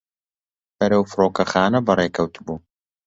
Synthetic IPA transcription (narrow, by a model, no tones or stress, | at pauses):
bɐɾɐwfɾoːkɐxaːnɐbɐreːkʰɐwt̪ʰɨbuː